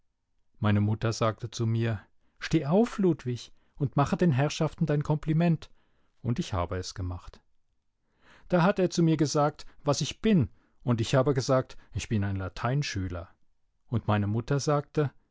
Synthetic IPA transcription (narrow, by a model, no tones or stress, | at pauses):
maɪnəmʊtɐzaːk̚tət͡sumiːɐ | ʃteːʔaʊfluːtv̥ɪç | ʊntmaχədeːnɦɛʁʃaftn̩daɪnkʰɔmplimɛnt | ʔʊntɪçha̰ːbəɛsɡ̥əmaχt | d̥aːɦateːɐt͡sumiːɐɡəzaːk̚tvasɪçb̥ɪn | ʊntɪçhaːbəɡəzaːk̚tɪçb̥ɪnaɪnlatʰaɪnʃyːlɐ̰ | ʔʊntmaɪnəmʊtɐzaːk̚tə